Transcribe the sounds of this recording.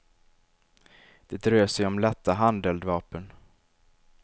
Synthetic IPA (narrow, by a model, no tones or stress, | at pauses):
d̪̥ɛd̪ɾøːʂɛjɔmlɛt̪ːaɦand̪ɛld̪vɑːpən